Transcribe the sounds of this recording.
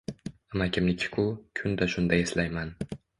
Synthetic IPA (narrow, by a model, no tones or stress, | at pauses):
amakʲʰɪmlɪkʲʰɪ̥kʰʊkʲʰʊnd̪aʃʊnd̪ajeslajman